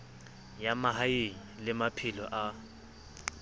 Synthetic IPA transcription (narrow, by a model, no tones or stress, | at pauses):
jamaɦajeɲilɪmapʰilɔʔa